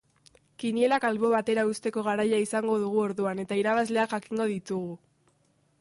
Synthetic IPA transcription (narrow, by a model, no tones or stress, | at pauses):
kinie̞lakalβo̞βat̪e̞ɾaust̪e̞ko̞ɣ̞aɾajaisaŋɡo̞ðuɣ̞uo̞ɾðuane̞t̪aiɾaβazle̞akxakiŋɡo̞ðit̪uɣ̞u